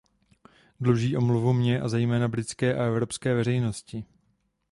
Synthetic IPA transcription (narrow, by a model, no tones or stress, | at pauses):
dluʒiːʔo̞mluvumɲɛʔazɛjmɛːnabɾɪt͡skɛːʔaɛvɾo̞pskɛːvɛɾɛjno̞scɪ